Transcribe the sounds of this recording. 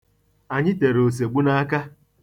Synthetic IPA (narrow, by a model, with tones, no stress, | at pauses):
a˨ɲɪ˦te˨ɾo˨s̬e˨ɡ͡bu˦na˦ka˦